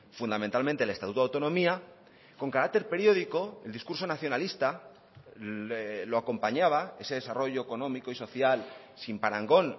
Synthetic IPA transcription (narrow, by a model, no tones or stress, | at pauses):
fund̪amẽ̞nt̪almẽnt̪elest̪at̪ut̪oawt̪onõ̞mia | ko̞ŋkaɾak̚t̪e̞ɾpe̞ɾjo̞ð̞iko̞eld̪iskuɾso̞naθjo̞nalist̪a | lo̞ako̞mpaɲaβ̞ae̞se̞ð̞e̞saro̞ʝo̞eko̞nõ̞miko̞iso̞θjal | simpaɾaŋɡo̞n